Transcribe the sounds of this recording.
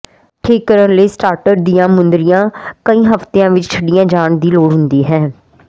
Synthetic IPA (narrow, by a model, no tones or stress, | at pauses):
ʈʰiːkːəɾənləiːsʈaːɾʈəɖ̚d̪ijãːmʊnd̪ɾɪjãːkəiːɦəft̪eːãːʋɪt͡ʃt͡ʃʰəɖijãːd͡ʒaːɳd̪iːloːɽɦʊnd̪iːɦɛ̃ː